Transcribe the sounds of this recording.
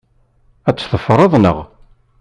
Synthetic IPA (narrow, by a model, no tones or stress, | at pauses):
æt͡sːθəfɾˤɑðˤnə̰ʁ